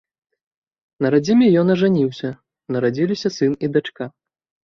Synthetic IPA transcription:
nɐɾad͡zʲimʲɛjɔnɐʐanʲiwsʲɐ | nɐɾad͡zʲilʲisʲɐsɨnid̪at͡ʂka

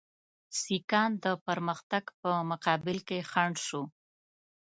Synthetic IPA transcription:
sikɑnd̪əpəɾməxt̪aɡpəmʊqɑbɪlkexaɳɖʃo

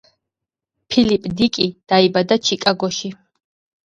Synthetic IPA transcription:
pʰilipʼd̪ikʼid̪̥aibad̪at͡ʃʰikʼaɡɔʃi

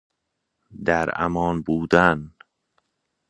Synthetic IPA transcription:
d̪æɾæ̰mɒːnbuːd̪æn

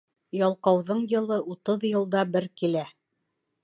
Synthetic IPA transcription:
jɒlˠqɑwðɤɴjɤ̆lˠɤʔut̪ɤðjɤ̆lˠd̪ɑbɘɾkilæ

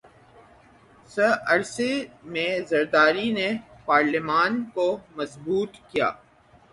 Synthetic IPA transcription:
səɐɾsemẽzɐɾd̪aːɾinepaːɾlɪmaːnkomɐzbuːt̪kija̰ː

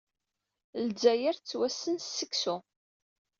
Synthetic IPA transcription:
lzæjəɾt͡sːwæsːənsəksu

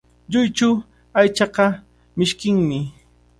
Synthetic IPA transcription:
ʎʊjt͡ʃʊ | ajt͡ʃɑqɑ | mɪʃkɪŋmɪ

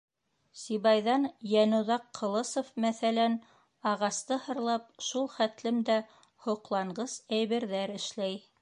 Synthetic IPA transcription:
siβɑjðɑnjænɵ̆ðɑqʰːŏlˠɤsofmæθælæn | ɑʁɑst̪ɤhɤ̆ɾlˠɑp̚ʃulˠχæt̪lɘmd̪æ | hŏqlˠɑɴɢɤsæjβɘ̆ɾðæɾɘ̆ʃlæj

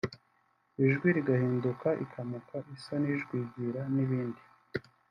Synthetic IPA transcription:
iʒɡwiɾiɡahiːndukaʔḭkʰamukaʔisoniʒɡwiːɟiɾaniβiːndi

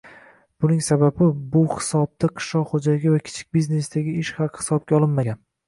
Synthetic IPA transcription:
b̥ʊnɪŋsababɪbʊhɪ̥sɒb̚t̪aqʰɨ̥ʃlɒqχod͡ʒaɪɡʲɪvakʲʰɪ̥t͡ʃʰɪ̥k̚ʲbizne̞sd̪aɡʲɪɪʃhɑqhɪ̥sɒb̚ɡʲaɒlˠɪnmaɡʲan

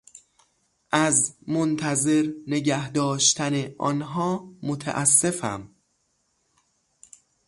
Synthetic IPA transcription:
ʔæzmont̪ʰæze̞ɾneɟæhd̪ɒːʃt̪ʰæneʔɒ̰ːnɦɒːmot̪ʰæ̰ʔæsːe̞fæ̰m

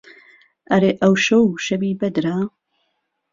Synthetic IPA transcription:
ʔɐɾeːʔɐwʃowʃɐbiːbɐd̪ɾa

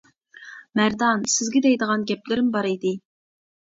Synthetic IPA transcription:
mæɾd̪ɑnsɪzɡʲɛd̪ɛjd̪əʁɑnɡʲɛplɪɾɪmbɑɾid̪ɪ

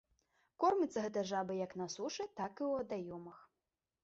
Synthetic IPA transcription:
kɔrmʲit̪sɐɣɛt̪̬ɐjʐabɨjɐknɐsuʂɨt̪akɨwɐd̪ajɔmɐx

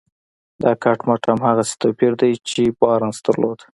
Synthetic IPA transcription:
d̪ɑkaʈmaʈamhaɣase̥t̪apiɾd̪ajt͡ʃebɑɾansd̪əɾlod̪

